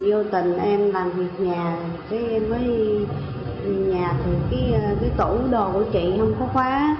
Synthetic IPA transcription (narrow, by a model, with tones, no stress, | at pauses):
zo˧t̪ï˨˩˨ŋ̟ʔɛ˧mlaː˨˩mvi˨˩ək̚ɲaː˨˩˨kaː˨˦jʔɛ˧mːəː˨˦j | vi˨˩k̚ɲaː˨˩t̪ʰi˨˩kaː˨˦jkaː˨˦jt̪u˧˩ɗo˨˩ku˧˩ət͡ɕḭ˧˨hə˧wŋ͡mkɔ˨˦xwaː˨˦